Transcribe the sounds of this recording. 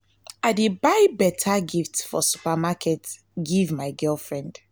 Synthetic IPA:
aɪdibaɪbɛtʰaɡiftfɔsu̥pamakʰɛt | ɡivmaɪɡɜlˠfɹɛ̃nd̥

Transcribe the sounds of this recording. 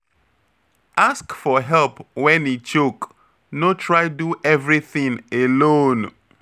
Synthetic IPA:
ʔaskfɔɦɛlpwɛ̃nit͡ʃok | notʰɹajduʔɛvɹiθĩŋelõn

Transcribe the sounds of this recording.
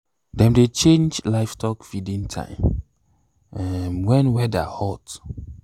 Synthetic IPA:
dɛ̃mdet͡ʃẽnd͡ʒlaɪftʰɔkfidĩntʰã̰ɪ̃m | ɛmwɛ̃nwɛda̰hɔt

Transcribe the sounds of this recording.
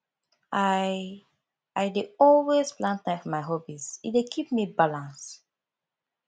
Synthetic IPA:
aj | ajdeɔlwezplãntlaɪkmaɪɦɔbizidekʰip̚mibalãns

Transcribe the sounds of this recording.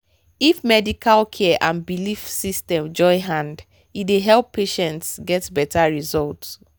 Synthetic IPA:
ifmɛdikʰalkʰɛɛʔãnbilifsistɛ̃md͡ʒɔɪɦãnd | ideɦɛlˠpʰːeʃɛ̃ntsɡɛtbɛtʰaɹizɔlt

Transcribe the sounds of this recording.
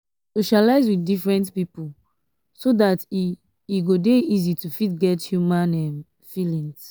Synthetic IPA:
soʃalaɪzwiθdifɹɛ̃ntpipu | sodat | iɡodeizitufitɡɛthjumãnɛm | filĩŋs

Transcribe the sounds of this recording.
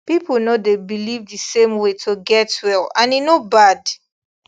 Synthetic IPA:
pipl̩ˠnodebilivdɨsẽmwetʰoɡɛtwɛlãninobad

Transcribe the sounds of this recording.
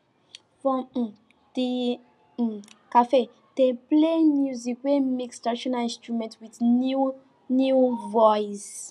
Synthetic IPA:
fɹɔ̃m̩ | di | kafe | deplemjuzikwemikstadiʃɔnaĩnstɹumɛ̃ntwiθnu | njuvɔjs

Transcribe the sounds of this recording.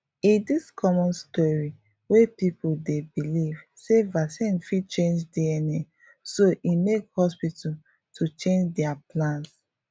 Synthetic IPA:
idiskʰɔmɔ̃nstɔɹi | wepipudebilivsevasɛ̃nfit͡ʃẽnd͡ʒdiɛnɛ̃ | soʔimekhɔspitʰa | tʰut͡ʃẽnd͡ʒdɛaplãns

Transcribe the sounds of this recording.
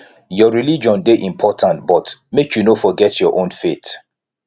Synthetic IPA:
jɔɹilid͡ʒɔ̃ndeʔĩmpʰɔtʰãntbɔtmekʰjunofɔɡɛtʰjɔʔõnfet

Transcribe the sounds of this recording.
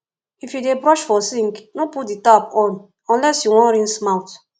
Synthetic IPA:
ifjudebɾɔʃfɔsĩŋknoputditapɔ̃n | ɔ̃nlɛsjuwɔ̃nɾĩnsmaʊt

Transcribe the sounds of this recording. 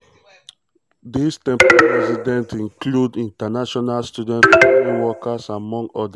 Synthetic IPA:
distɛ̃mpɾaɹɛsidɛ̃ntĩŋkludĩntanaʃɔnalstjudɛ̃ntɔiwɔkasamɔ̃ŋɡɔda

